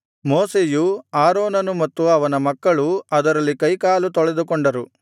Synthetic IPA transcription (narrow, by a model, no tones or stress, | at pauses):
moːseːjuaːɾoːnɐnumɐt̪ːuɐʋɐnɐmɐkːɐɭuɐd̪ɐɾɐlːikɐjkaːlut̪ɔɭed̪ukɔɳɖɐɾu